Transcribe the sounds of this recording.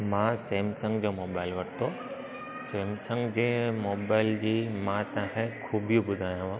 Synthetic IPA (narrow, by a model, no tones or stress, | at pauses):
mãːseːmsə̃ŋɡd͡ʑoːmoːbaːɪlʋɐʈʰt̪ʰoː | seːmsə̃ŋɡd͡ʑeːmoːbaːɪld͡ʑiːmãt̪ãːkʰẽkʰuːbijũbʊd̪ʱaːjãʋã